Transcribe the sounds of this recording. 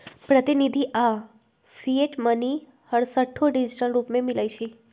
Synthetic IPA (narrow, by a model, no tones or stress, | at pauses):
pɾət̪inid̪ʱiʔa | fieʈməni | həɽsəʈʰːoɖid͡ʒiʈəlɾupmẽmilajt͡ʃʰi